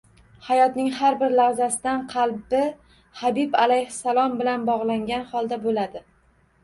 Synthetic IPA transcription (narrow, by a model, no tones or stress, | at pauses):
hajɒt̪nɪŋhaɾbɪɾlaʁzasɪd̪anqʰɑlˠbɪ | habibalajhɪsalˠɒmbɪlanbɒʁlˠaŋɡʲanhɒlˠd̪abolad̪ɪ